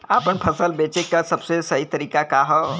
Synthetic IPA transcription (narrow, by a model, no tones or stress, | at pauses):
aːpəɳpʰɐsəlbeːt͡ʃekəsɐbsesɐɦit̪ɐɾiːkakaɦɔ